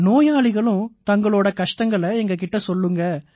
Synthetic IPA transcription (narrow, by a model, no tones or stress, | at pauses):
noːjaːɭɪɣɐɭʊ̃t̪ɐŋɡɐɭoːɽɐkɐʂʈɐŋɡɐɭɐɛŋɡɐk̬ɪʈːɐsɔlːɯŋɡɐ